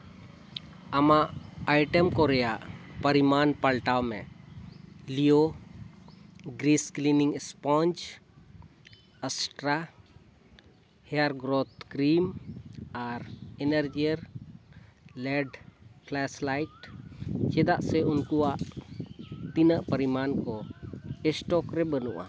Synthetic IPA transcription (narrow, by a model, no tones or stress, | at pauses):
amaʔajʈəmkɔɾɛjaʔpəɾimanpalʈawmɛ̰ | lijo | ɡɾiskliniŋɛspɔnd͡ʒ | əsʈɾa | hɛjaɾɡɾot̪kɾim | aɾɛnəɾd͡ʒiəɾ | lɛɖplɛslajʈ | t͡ʃɛd̪aʔsɛunkuaʔ | t̪inaʔpəɾimankɔɛsʈɔkɾɛbənuʔa̰